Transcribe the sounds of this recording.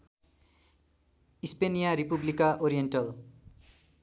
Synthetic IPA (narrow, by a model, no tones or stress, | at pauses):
ispenijaɾipublikaʔoɾijenʈʌl